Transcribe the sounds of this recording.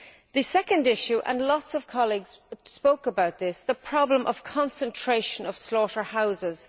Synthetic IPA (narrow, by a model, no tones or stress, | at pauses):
ðəsɛkə̃ndɪʃʉʔə̰̃nlɔtsʌv̥kʰɑliɡz̥spoʊkəbaʊt̪̚ðɪsðəpʰɹ̥ɑblə̃mʔʌv̥kʰɑ̃nsə̃ntʰɹ̥eɪʃə̃nʌv̥slɔɾə˞haʊzɪz̥